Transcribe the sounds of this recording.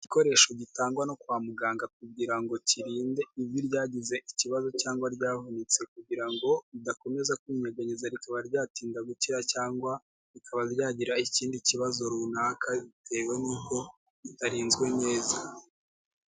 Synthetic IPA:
ɟiko̞ɾe̞ːʃo̞ɟitaːŋɡwano̞kwaːmuɡaːŋɡak̚uɡɟiɾaŋɡo̞ciɾiːnde̞iβjuɾɟaːɟize̞ʔiciβazo̞caːŋɡwaɾɟaːvunit͡se̞kuɟiɾaŋɡo̞idako̞me̞zakuɲeɡaɲizaɾikaβaɾɟaːtiːndaɡuciɾacaːŋɡwa | ɾikʰaβaɾɟaːɟiɾaiciːndiciβazo̞ɾunakʰaitʰe̞ːwe̞nuːbko̞ | itaɾiːnzɡwe̞ne̞ːza

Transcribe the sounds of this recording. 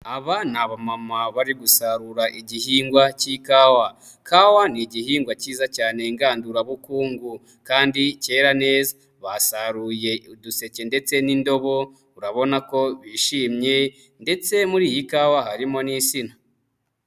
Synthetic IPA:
aβanaβamamaβaɾiɡusaɾuɾaʔiɟihiːŋɡwacikaːwa | kʰawaniɟihiːŋɡwaciːzacaːne̞ŋɡaːnduɾaβukuːŋɡu | kaːndice̞ːɾane̞ːza | βasaɾuje̞uduse̞ce̞nde̞t͡se̞nindo̞βo̞ | uɾaβo̞nako̞βiʃiːmɲe̞ | nde̞t͡se̞muɾiːjikaːwahaɾimo̞nisina

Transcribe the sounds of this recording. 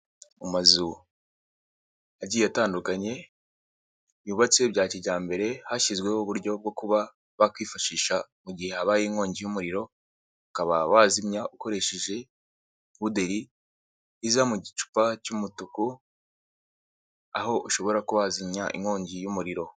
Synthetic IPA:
umazu | aɟiːjataːndukaɲe̞ | uːβat͡seβbɟaːciɟaːmbe̞ɾe̞haʃizɡwe̞oβuɾɟo̞b̚ɡo̞kuβa | βakwiːfaʃiːʃamuɟihe̞haβaːjiːŋo̞ːɲɟijumuɾiɾo̞ | akaβa̰waːzimɲaʔuko̞ɾe̞ʃe̞ʒe̞ | βude̞ɾi | izamuɟit͡ʃu̥pacumutuku | a̰ho̞ʔuʃo̞βo̞ɾakuβazimɲaʔḭŋho̞ːɲɟijumuɾiɾo̞

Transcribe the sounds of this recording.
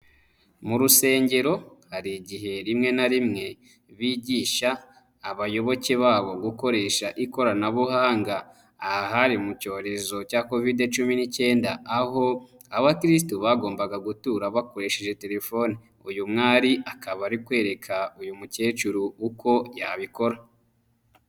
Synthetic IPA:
muɾuse̞ːɲɟe̞ɾo̞haɾiɟiɦe̞ɾimŋe̞naɾimŋe̞ | βiːɟiːʃaː | βajo̞βo̞ce̞βaːβo̞ɡuko̞ɾe̞ːʃaʔiko̞ɾanaβuhaːŋɡaː | aɦaɾimuco̞ːɾe̞zo̞caːko̞vide̞t͡ʃuminice̞ːndaːho̞ | aβakɾis̬tuβaɡo̞ːmbaɡaɡutuːɾaβako̞ɾe̞ːʃe̞ʒe̞te̞ɾe̞fo̞ne | ujumŋaːɾiakaβaɾikwe̞ːɾe̞kʰaujumuce̞ːt͡ʃuɾuuko̞ja̰βiko̞ɾa

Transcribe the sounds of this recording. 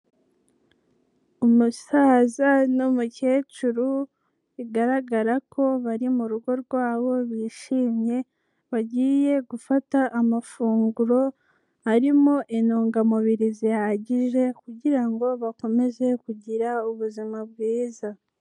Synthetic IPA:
omusaːzanomuce̞ːt͡ʃuɾu | iɡaɾaɡaɾakʰo̞βaɾimuɾuɡo̞ɾɡwaːβo̞βiːʃiːmɲe̞ | βaɟiːje̞ɡufataʔːmafuːŋɡuɾo̞ | aɾimoʔenoːŋɡamuβiɾizijahaɟiʒe̞kuɟiɾaŋɡo̞βako̞me̞ze̞kuɟiɾauβuzimaβ̚ɡiːza

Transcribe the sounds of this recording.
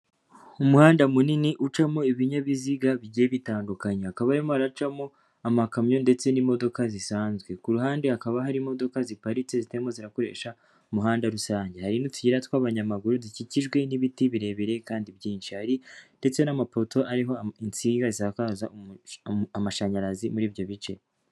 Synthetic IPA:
umuhaːndamuniniʔut͡ʃamo̞iβiɲaβiziɡaβiɟijeβitaːndukaɲeakaβaɾimoaɾat͡ʃamo̞ | amakamɲo̞nde̞t͡se̞nimo̞do̞kazisaːnzɡwe̞kuɾuɦaːndeakaβaɦaɾimo̞do̞kazipaɾit͡se̞zitemo̞ziɾako̞ɾe̞̰ʃa | umuɦaːndaɾusaːɲɟe̞haɾinotuɟiɾatwaːβaɲamaɡuɾuziciciʒɡwe̞niβitiβiɾe̞βeɾe̞kaːndibjiːnʃihaɾinde̞t͡se̞namapo̞to̞ʔaɾiɦo̞int͡siɡazizakaːza̰ | amaʃaɲaɾazimuɾiːβjo̞βit͡ʃe̞̰

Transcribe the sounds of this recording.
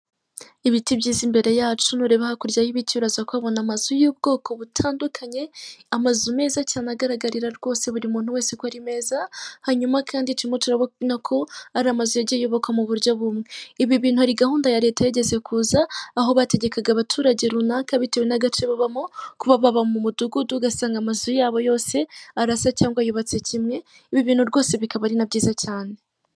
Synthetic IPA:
iβitibɟiːzimbe̞ɾe̞jaːt͡ʃunuɾe̞ːβahakuɾɟahiβituɾazakwaβo̞namazujuːbɡo̞ːko̞βutʰaːndukʰaɲe̞amazume̞ːzacianaɡaɾaɡaɾiɾaɾɡ̥o̞ːse̞βuɾimuːn̥huwe̞ːsekwoaɾime̞ːzahaɲumakʰaːndicimo̞tuɾaβonakʰo̞aɾamazujeɟejo̞βo̞kamuβuɾjo̞βumŋe̞iβiβiːn̥huhaɾiɡahuːndajaɾe̞tajeɟe̞ze̞kʰuːzaːɦo̞βate̞ɟe̞kaɡaβatʰuːɾaɟe̞ɾunaːkaβite̞ːwenaɡat͡ʃeβaβamokuβaβaβamumuduɡuduɡasaːŋɡamazujaːβo̞jo̞ːse̞aɾasacaːŋɡwajoβat͡se̞cʰimŋe̞ | iβiβiːnhuɾɡo̞ːse̞βikaβaɾinabɟiːzacaːne̞

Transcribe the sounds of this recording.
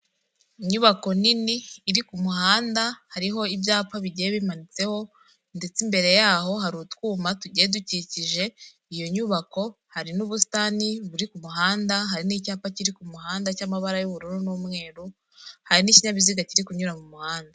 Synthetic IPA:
iɲuβako̞niniːɾikumuɦaːndahaɾiɦo̞ibjaːpaβiɟeeβimanit͡se̞ho̞ | nde̞t͡simbe̞ɾe̞jaːɦo̞ɦaɾutkuːmatuɟeeduciciʒe̞ | ijoɲuːβako̞ | haɾinuβusi̥taniβuɾikumuɦaːndaɦaɾiniːcaːpaciɾikumuɦaːndacamaβaɾajuβuɾuɾunuːmŋe̞ːɾu | haɾiniciɲaβiziɡaciɾikuɲuɾamumuhaːnda

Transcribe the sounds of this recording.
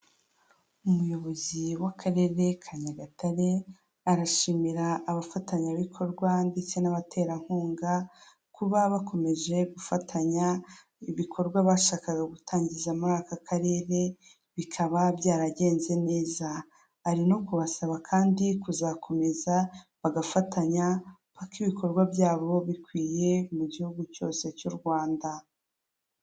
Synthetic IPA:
umujo̞βo̞ziwakʰaɾe̞ːɾe̞kʰaɲaɡataɾe̞ | aɾaʃimiɾaːβafataɲaβikʰo̞ɾɡwande̞t͡se̞naβatʰe̞ːɾaŋ̥huːŋɡa | kuβaβakʰo̞me̞ʒe̞ɡufatʰaɲa | iβikʰo̞ɾɡwaβaʃaːkaɡaɡutʰaːɲɟizamuɾaːkakʰaɾe̞ːɾe̞ | βikʰaβabjaːɾaɟe̞ːnze̞ne̞ːza | aɾino̞kuβasaβakʰaːndikuzakʰo̞me̞zaβaɡafatʰaɲa | pakiβikʰo̞ɾɡwabjaːβo̞βikwiːje̞muɟihuɡuco̞ːse̞cuɾɡwaːnda

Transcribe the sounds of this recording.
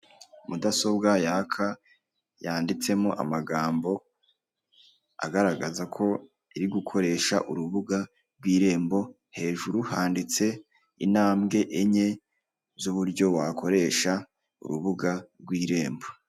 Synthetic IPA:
mudaso̞bɡajakʰa | jaːndit͡se̞moʔa̰maɡaːmbo̞ | a̰ɡaɾaɡazakʰo̞ | iɾiɡukʰo̞ɾe̞ːʃa̰ʔuɾuβuɡa | ɾɡwiːɾe̞ːmbo̞ | he̞ːʒuɾuhaːndit͡se̞ | inaːmɡe̞ʔeɲe̞ | zuβuɾɟo̞wakʰo̞ɾe̞ːʃa | ṵɾuβuɡaɾɡwiːɾe̞ːmbo

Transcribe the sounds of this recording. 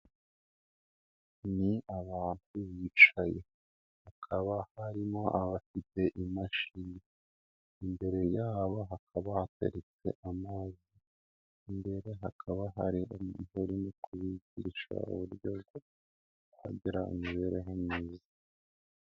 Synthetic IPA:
niaβaːntuβiːt͡ʃaje̞ | hakʰaβahaɾimo̞ʔaβafite̞ʔimaʃine | imbe̞ɾe̞jaːβaɦakʰaβahatḛɾet͡se̞̰ʔamaːziː | mbe̞ɾe̞ɦakʰaβaɦaɾiomumeɾinokuβiɟiʃa̰ṵβuɾɟoβɡo | ha̰ɟiɾa̰imiβeɾeɦemɲiːza

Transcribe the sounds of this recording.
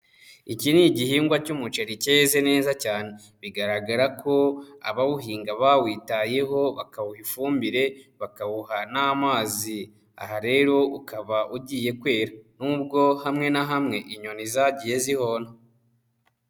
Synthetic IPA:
iciniɟihiːŋɡwacumut͡ʃeɾice̞ːze̞ne̞ːzacaːne̞ | βiɡaɾaɡaɾakʰo̞a̰βaβuɦiːŋɡaβawiːtaje̞ɦo̞βa̰kaβuhifuːmbiɾe̞βakaβuhanamaːzi | a̰haɾe̞ɾo̞ukaβaʔuɟiːje̞kwe̞ːɾanuːbɡo̞hamŋe̞naɦamŋe̞ʔiɲo̞nizaɟije̞ziho̞na

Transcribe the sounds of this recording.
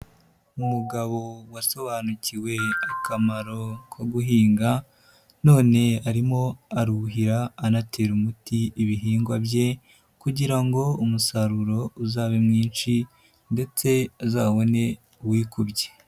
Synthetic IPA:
umuɡaβo̞waso̞βaːnuciwe̞akamaɾo̞kwaɡuɦiːŋɡa | no̞ːne̞aɾimo̞aɾuɦiɾaːnate̞ɾumutiiβiɦiːŋɡwabje̞ | kuɟiɾaŋɡo̞umusaɾuɾo̞uzaːβemŋiːnt͡ʃi | nde̞t͡se̞azaːβo̞ne̞ | uwiːkubɟe̥

